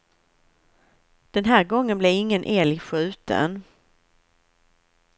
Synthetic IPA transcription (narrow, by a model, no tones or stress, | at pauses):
d̪̥ɛnɦæːɾɡɔŋːənblɛɪŋːənʔeːlɪɧʉ̟ːt̪ə̰n